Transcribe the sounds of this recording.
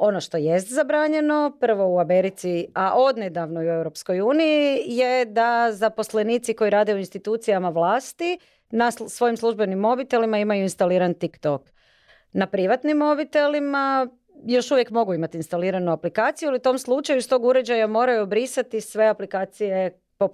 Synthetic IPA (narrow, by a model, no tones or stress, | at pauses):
o̞noʃt̪o̞jest̪zabɾaːɲe̞no̞pər̩ʋo̞uame̞ɾit̪siaʔo̞d̪ned̪aʋnojue̞wɾo̞psko̞juːnijijed̪azapo̞sle̞niːt̪siko̞jiɾaːd̪eoinst̪it̪uːt̪sijamaʋlˠaːst̪i | nasʋo̞jimslˠuʒbenimːo̞bit̪e̞limaimajuinst̪aliːɾant̪ikt̪ok | napɾiʋat̪nimːo̞bit̪e̞lima | jo̞ʃuʋje̞kmo̞ɡuimat̪iːnst̪aliːɾanuaplikaːt̪sijualiut̪o̞mslˠut͡ʃajust̪o̞ɡuɾe̞d͡ʑajamo̞ːɾajubɾisat̪isʋe̞aplikaːt̪sije̞ | po